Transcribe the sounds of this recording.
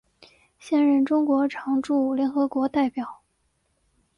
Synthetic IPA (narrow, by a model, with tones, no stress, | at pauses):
ɕjɛ˥˧nɻə˥˩nʈ͡ʂʊ˥ŋkwɔ˧˥ʈ͡ʂʰɑ˧˥ŋʈ͡ʂu˥˩ljɛ˧˥nxɤ˧˥kwɔ˧˥t̪a˥˩ɪpjɑ˨˩˦ʊ